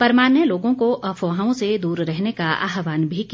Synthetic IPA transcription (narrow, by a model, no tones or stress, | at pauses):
pɐɾmaːnjəloːɡõkoʔɐfʰoːɦãõsed̪uːɾɾɛɦnekaa̰ːɦʋaːnbʱiki